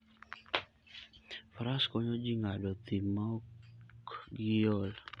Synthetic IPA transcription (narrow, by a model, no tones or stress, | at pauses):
fɾaskɔɲɔd͡ʒiŋadɔt̪imakɡiɔl